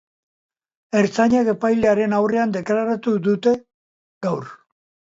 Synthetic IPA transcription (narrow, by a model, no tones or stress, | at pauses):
e̞ɾt͡saɲake̞pajleaɾe̞nawre̞and̪e̞klaɾat̪uðut̪e̞ | ɡawɾ